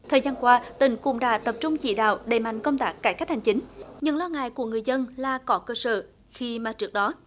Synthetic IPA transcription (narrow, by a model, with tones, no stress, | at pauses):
t̪ʰəː˨˩zaː˧nkwaː˧t̪ï˧˩ŋ̟kʊ̰˧˥ŋ͡mɗa̰ː˧˥t̪ə˨˩p̚t͡ɕʊ˧ŋ͡mt͡ɕḭ˧˨ɗa̰ː˧˨wɗe˧˩ma̰˧˨jŋ̟kə˧wŋ͡mt̪aː˦˥kːaː˧˩jka˦˥k̚ha˨˩ŋ̟t͡ɕi˨˦ŋ̟ɲɨ̰˧˥ŋlɔ˧ŋa̰ː˧˨jku˧˩əŋɨ˨˩əjzə˧nlaː˨˩kɔ˨˦kəː˧səː˧˩ | xi˧maː˨˩t͡ɕɨ˦˥ək̚ɗɔ˨˦